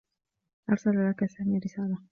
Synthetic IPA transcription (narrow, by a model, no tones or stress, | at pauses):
ʔɑɾˤsalalakasaːmiɾɪsaːla